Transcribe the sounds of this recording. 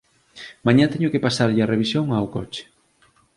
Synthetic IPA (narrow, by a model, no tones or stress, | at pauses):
mãɲat̪eɲʊkepasaɾʎɐreβisjoŋawkɔt͡ʃɪ̥